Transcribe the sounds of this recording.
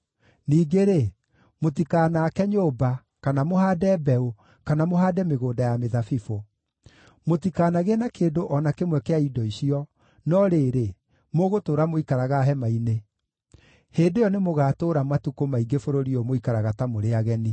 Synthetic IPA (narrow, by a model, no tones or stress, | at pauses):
niːɡeɾe | motikaːnakɛɲoːba | kanamohaːdɛbɛo | kanamoɦaːdɛmeɣoːdajameðafifo | motikaːnaɣenakeːndoʔɔnakemwɛkeaidɔiɕiɔ | nɔɾeːɾe | moɣotoːɾamoikaɾaɣaɦɛmaine | heːndejɔnemoɣaːtoːɾamatukomaiɡefoɾoɾiɔmoikaɾaɣatamoɾeaɣɛni